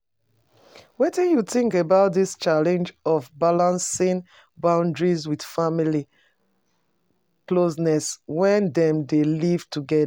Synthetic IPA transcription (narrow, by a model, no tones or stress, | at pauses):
wetɛ̃njuθĩŋkəbaʊt̚ðist͡ʃalɛ̃nd͡ʒɔvbalãnsĩŋ | bãʊ̃ndɹizwid̥famili | klosnɛswɛ̃ndɛ̃mdeliv̥tʰuɡɛd